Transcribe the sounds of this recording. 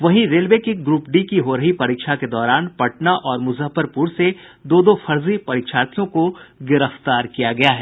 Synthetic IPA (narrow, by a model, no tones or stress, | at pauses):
ʋɐɦĩɾeːlʋeːkɪɡɾuːp̚ɖikiɦoɾɐɦipɐɾiːkʃaked̪ɔːɾaːnpɐʈnaʔɔːɾmʊzəɦfəɾpuːɾsed̪oːd̪ofʰɐɾzipɐɾiːkʃaːt̪ʰijõkoɡɪɾəft̪aːɾkijaɡɐjaɦɛː